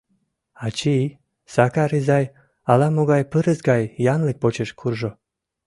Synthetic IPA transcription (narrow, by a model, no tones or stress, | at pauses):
ɑt͡ɕii | sɑkɑɾizɑj | ɑlɑmoɣɑjpɨɾəzɡɑjːɑnlik̚pot͡ɕeʃkʰurʒo